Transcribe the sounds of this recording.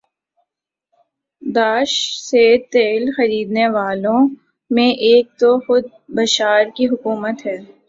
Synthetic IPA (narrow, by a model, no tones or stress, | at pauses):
d̪aːʃset̪eːlxɐɾiːd̪neʋaːlõ | mẽʔeːk̚t̪oxʊd̪̚bɐʃaːɾkiɦʊkuːmət̪ɦɛː